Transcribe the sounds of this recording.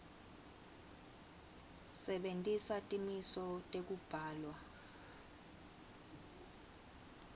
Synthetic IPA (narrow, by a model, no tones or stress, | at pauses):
sɛɓentʼisatʼimisɔtʼek̬ub̥ʱaːlwa